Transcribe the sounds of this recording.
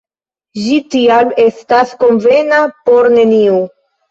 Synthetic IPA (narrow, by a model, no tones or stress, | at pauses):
ʒitiame̞stasko̞nve̞napo̞ɾne̞niu